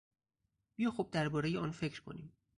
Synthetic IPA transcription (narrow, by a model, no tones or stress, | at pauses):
bijɒxob̚d̪æɾbɒːɾejeɒːnfe̞cʰɾkʰo̞̰niːm